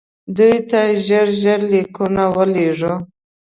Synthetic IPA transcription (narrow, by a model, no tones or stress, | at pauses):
d̪ujt̪aʒəɾʒəɾlikunawəleʐə